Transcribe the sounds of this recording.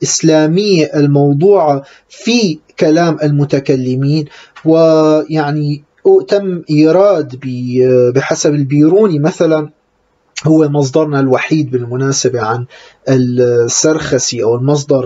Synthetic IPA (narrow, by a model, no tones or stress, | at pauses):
ʔɪslaːmɪjːaʔɪlmɑwd̪ˤuːʕɑ | fikalaːmʔɪlmʊt̪akalːɪmiːnwɪjaʕni | ʔt̪amːʔiːɾˤɑːd̪bɪbɪħasabɪlbiːɾuːnimaθalan | hʊwːemɑs̬ˤd̪ˤɑɾˤnalwaħiːd̪̚bɪlmʊnaːsabaʕan | ɪsːaɾˤxasiʔawɪlmɑs̬ˤd̪ˤɑɾˤ